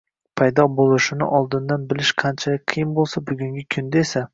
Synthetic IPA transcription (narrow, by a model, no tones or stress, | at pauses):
pʰajd̪ɒbolˠɪʃɪnɪ̰ʔɒlˠd̪ɪnd̪anbɪlɪʃqʰɑnt͡ʃʰalɪk̚ʲqʰɨjɪnbolˠsabʊɡʲʊŋɡʲɪkʲʰʊnd̪aesa